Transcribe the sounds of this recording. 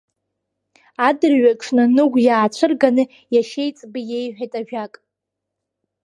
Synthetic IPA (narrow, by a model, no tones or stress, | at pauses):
adɨrɥakʼʂʰnɨnɨɡʷjaːt͡ʃʷʰɨrɡanɨ | jaʃe̞jt͡sʼbɨje̞jħʷᶣajtʼaʒᶣakʼ